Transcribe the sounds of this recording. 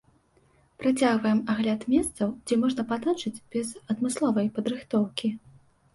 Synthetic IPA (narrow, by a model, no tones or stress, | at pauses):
pɾat͡sʲaɣvɐjɛmaɣlʲat̪mʲɛst̪sɐwd͡zʲɛmɔʐnɐpad̪at͡ʂɨd͡zʲbʲɛzɐd̪mɨslˠɔvɐjpɐd̪ɾɨxt̪ɔwkʲi